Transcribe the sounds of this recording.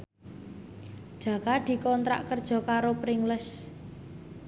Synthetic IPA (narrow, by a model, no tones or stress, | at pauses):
d̥ʒ̥ä̤kad̪̥i̤kɔnt̪ɾa̰ʔkərd̥ʒ̥ɔ̤kaɾopɾɪŋləs